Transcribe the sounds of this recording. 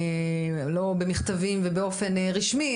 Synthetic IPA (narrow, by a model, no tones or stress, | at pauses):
e | lo̞bemiχt̪avimvebeo̞fe̞nʁiʃmi